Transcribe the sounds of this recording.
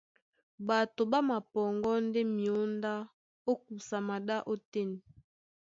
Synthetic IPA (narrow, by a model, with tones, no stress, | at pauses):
ba˨to˨ba˦ma˨pɔ˨ŋɡɔ˦nde˦mi˨o˦nda˦ | o˦k̚u˨sa˨ma˨da˦ʔo˦tɛ˦ni˨